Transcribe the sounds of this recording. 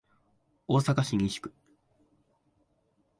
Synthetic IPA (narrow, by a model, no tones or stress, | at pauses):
o̞ːsakaɕĩɲĩɕi̥kɯ̟̥